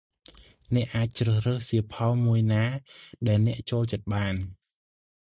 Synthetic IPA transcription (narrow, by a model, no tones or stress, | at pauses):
nɛ̆əʔːaːc̚t͡ɕrəːhrəːhsiəpʰɑlmuəjnaːɗaɛlnɛ̆əʔt͡ɕoːlt͡ɕət̪̚ɓaːn